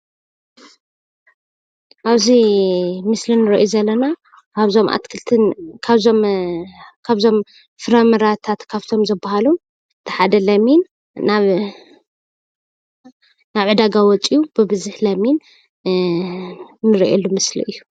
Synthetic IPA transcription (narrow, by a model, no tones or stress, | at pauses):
ʔaβzimɨslinɨɾɐʔjuzɐlːɐna | kʰaβzo̞mʔa̰t̪kʰɨlt̪ʰɨnkʰaβzom | kʰaβzo̞m | fɨɾɐmɨɾat̪ʰat̪kʰaβt̪ʰo̞mzɐbːahalum | ɨt̪ʰi̥ħad̪ɐlɐmin | naβ | naβʕɨd̪aɡawɔt͡sʼijubɨbɨzɨħlɐmin | nɨɾiʔelːumɨslḭʔɨjːu